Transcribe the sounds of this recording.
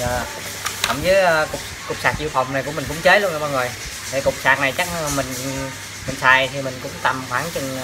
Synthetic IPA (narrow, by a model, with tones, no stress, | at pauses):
əː˨˩ | kə̰˧˩ŋ͡mzəː˨˦jkʊ˨˩k͡p̚ | kʊ˨˩wk͡p̚saː˨˩k̚ʔi˧wfa˨˩wŋ͡mna˨˩jku˧˥əmi̟˨˩kʊ̰˧˥ŋ͡mt͡ɕəː˨˦˥lu˧nə˨˩ɓaː˧ŋo˨˩j | t̪ʰe˨˩kʊ˨˩wk͡p̚saː˨˩t̚na˨˩jt͡ɕa˦˥˧mï˨˩ŋ̟ | mï˨˩ŋ̟saː˨˩jt̪ʰi˨˩mï˨˩ŋ̟kʊ̰˧˥ŋ͡mt̪a˨˩mxwaː˨˦ŋt͡ɕɨ˧˩ŋ